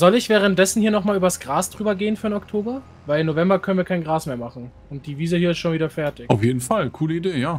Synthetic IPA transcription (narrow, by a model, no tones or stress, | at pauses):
zɔlɪçv̥ɛːʁ̞ənt̚d̥ɛsn̩hiːɐnɔχmaːlyːbɐsɡ̥ʁaːsd̥ʁyːbɐɡeːənfyːɐɪnɔktʰoːbɐ | vaɪlɪmnːovɛmbɐkʰœnənviɐkʰaɪnɡʁaːsmeːɐmaχn̩ | ʊnt̚d̥iːviːzəhiːɐɪstʃoːnviːdɐfɛɐtɪçʔaʊfjeːdn̩falkʰuːləideːjaː